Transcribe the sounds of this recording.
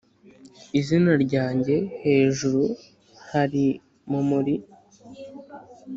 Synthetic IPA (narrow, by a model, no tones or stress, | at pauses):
izinaɾɟaːɲɟe̞he̞ːʒuɾu | haɾi | mumuɾi